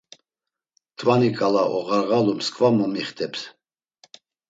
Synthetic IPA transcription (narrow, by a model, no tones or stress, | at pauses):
t̪ʼvanikʼalaʔɔʁaɾɣalumskʼvamɔmiχt̪ʰʼɛps